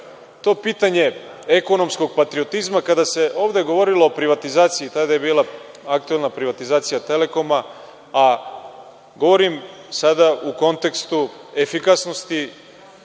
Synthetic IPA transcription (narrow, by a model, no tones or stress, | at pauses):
t̪o̞ːpiːt̪aɲe̞ | eko̞no̞msko̞ɡ̚pat̪ɾio̞t̪izmakad̪ase̞ʔo̞ːʋd̪e̞ɡo̞ʋo̞ɾilˠo̞ːpɾiʋat̪izaːt̪sijit̪ad̪aje̞biːlˠa | akt̪ue̞lnapɾiʋat̪izaːt̪sijat̪e̞le̞ko̞ma | a | ɡo̞ʋo̞ɾimsad̪auko̞nt̪e̞kst̪ue̞fikasno̞st̪i